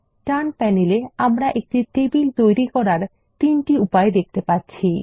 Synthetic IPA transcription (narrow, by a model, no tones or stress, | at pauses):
ʈanpɛneleamɾaʔek̚ʈiʈebilt̪ojɾikɔɾaɾ | t̪inʈiupaed̪ek̚t̪epaɾt͡ɕʰi